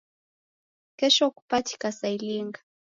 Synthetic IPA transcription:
kɛʃɔku̥pati̥kasailiŋɡa

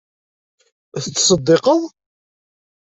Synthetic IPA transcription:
θət͡sːsˤəd̪ːeqəðˤ

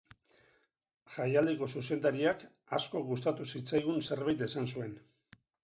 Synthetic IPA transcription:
ʝajald̪eko̞suse̞nd̪aɾiak | asko̞ɣust̪at̪usit͡sajɣ̞unse̞ɾβajt̪e̞sansue̞n

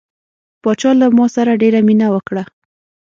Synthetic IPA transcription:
pɑt͡ʃɑlamɑsaɾaɖeɾaminawəkɽa

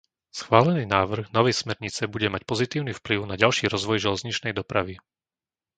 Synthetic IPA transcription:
sxʋaːlɛniːnaːʋr̩ɣnɔʋɛjsmɛɾɲit͡sɛbuɟɛmacpɔzit̪iːʊniːfpliʊnaɟalʃiːɾɔzʋɔjʒɛlɛzɲit͡ʃnɛjd̪ɔpɾaʋi

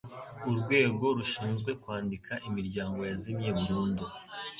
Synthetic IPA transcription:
uɾɡwe̞ːɡo̞ɾuʃiːnzɡwe̞kwaːndikʰaʔimiɾɟaːŋɡo̞jazimɲeβuɾuːndu

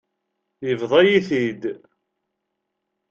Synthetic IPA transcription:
jəvðˤæjiθid̪

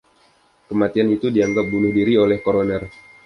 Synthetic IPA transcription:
kəmat̪ianit̪udiaŋɡap̚bunʊhdiɾiolɛhkoɾonər

